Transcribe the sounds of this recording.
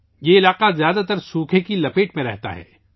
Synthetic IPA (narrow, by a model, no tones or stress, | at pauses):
jeɪlaːqazjaːd̪at̪ɐɾsuːkʰekilɐpeːʈmẽɾɛɦt̪a̰ɦɛ̰ː